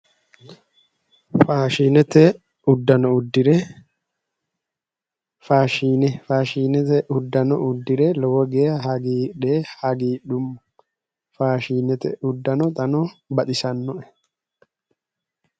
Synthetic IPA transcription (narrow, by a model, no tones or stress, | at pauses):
faːʃiːnɛt̪ɛ | ʊd̪ːɐnɔʊd̪ːɪɾɛ | faːʃiːnɛfaːʃiːnɛt̪ɛʔʊd̪ːɐnɔʊd̪ːɪɾɛlɔwɔɡeːjɐɦɐɡiːᶑeːhɐɡiːɗʊm | faːʃiːnɛt̪ɛ̰ʔʊd̪ːɐnɔt̪ʼɐnɔbɐt̪ʼɪsɐnːɔʔɛ̥